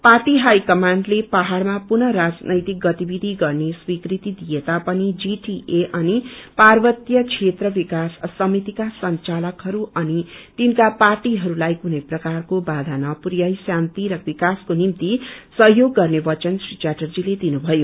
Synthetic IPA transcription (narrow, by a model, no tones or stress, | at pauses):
parʈiɦajkʌmaɳɖlepaɦarmapunʌɾad͡znʔʌjt̪ik̚ɡʌt̪ibid̪ʱiɡʌrneswikrit̪id̪ijet̪apʌnid͡ziʈiʔeʔʌniparbʌt̪jʌkʰet̪rʌbikasːʌmit̪ikasʌnt͡salʌkɦʌɾuʌnit̪inkaparʈiɦʌɾulajkunʌjprʌkarkobad̪ʱanʌprjʌjsjant̪iɾʌbikaskonimt̪isʌɦjoɡːʌrnebʌt͡ʃʌnsrit͡ʃaʈʌrd͡ziled̪inubʱʌjo